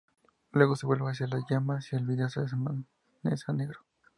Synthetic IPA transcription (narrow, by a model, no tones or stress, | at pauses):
lweɣosebwelbaas̬jalajamasjalβiðasaes̬aman | nesaneɣɾo̥